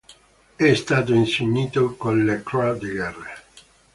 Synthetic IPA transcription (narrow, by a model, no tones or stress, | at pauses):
ɛst̪aːt̪̬oinseɲːiːt̪okonlekɾad̪iɡɛrːe